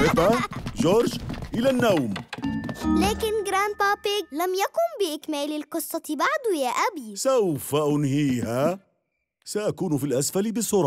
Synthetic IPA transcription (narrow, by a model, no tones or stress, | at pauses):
ʔɪfaʒoːɾd͡ʒʔɪlanːawm | laːkɪnɡɾaːnpaːpɪɡlamjakʊnbɪʔɪkmaːlɪlqɨsˤːɑt̪baʕd̪ujaːʔabisawfaʔʊnhiːha | saʔakuːnfilʔasfalbɪsʊɾˤɑ